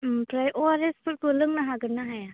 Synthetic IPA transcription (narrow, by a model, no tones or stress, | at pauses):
pɾajɔɾɛspʰut̚pɯlɯŋnaɦaɡɯɾnaɦaja